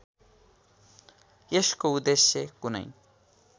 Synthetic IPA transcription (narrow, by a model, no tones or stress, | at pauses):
eskoud̪esjʌkunʌ̰j